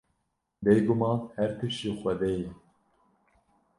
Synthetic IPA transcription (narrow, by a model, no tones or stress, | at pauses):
bejɡumɑːnhɛɾt̪ʰɨʃixʷɛd̪ɛjɛ